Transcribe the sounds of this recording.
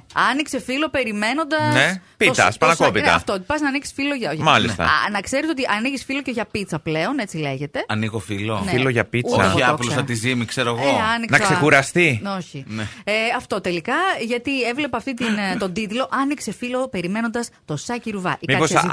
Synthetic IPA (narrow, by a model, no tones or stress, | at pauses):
ɐnikse̞filo̞pe̞ɾime̞no̞nd̪ɐnepit̪ɐ̰spɐnɐkopit̪ɐ̰ɐft̪ot̪i̥pɐznɐniki̥sfilo̞ʝɐomɐlist̪ɐ̰nɐkse̞ɾet̪o̞t̪iʔɐniʝisfilo̞ceʝɐpit̪t͡sɐple̞one̞t͡sile̞ʝe̞t̪e̞ɐniɣofiloneilloʝɐpit͡sɐ̰ɐplsɐt̪izimikseɾoeɣoɐniknɐksekuɾɐst̪io̞çineeɐft̪o̞t̪e̞likɐʝɐt̪ievle̞pɐːft̪it̪int̪o̞nd̪it̪lo̞ʔɐnikse̞filo̞pe̞ɾime̞no̞nd̪ɐst̪o̞sɐciɾuvɐ̰ʔimiɐkos